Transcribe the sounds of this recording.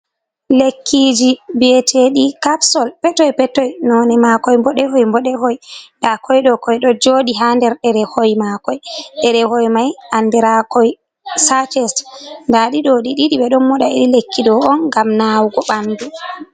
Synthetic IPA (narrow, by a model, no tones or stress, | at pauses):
lekʰːid͡ʒibetʰeɗikapsɔlpɛtɔjpɛtːɔjnɔnɛmakɔjmbɔɗɛhojmbɔɗɛhɔjdakʰɔjɗɔkɔjɗɔd͡ʒoːɗiɦandɛɾɗɛɾɛhojmakɔjɗɛɾɛhojmajʔandɛɾakɔj | sat͡ʃɛstndaɗiɗɔɗiɗiɗiɓɛɗɔnmɔɗaiɗilekʰːidɔɔnɡamnawɡɔɓandu